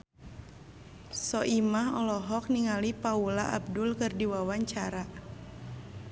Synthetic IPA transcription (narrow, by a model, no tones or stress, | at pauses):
sɔʔimaɦɔlɔɦɔk̚niŋalipaula̰ʔab̚dʊlkɨrdiwawaɲt͡ʃaɾa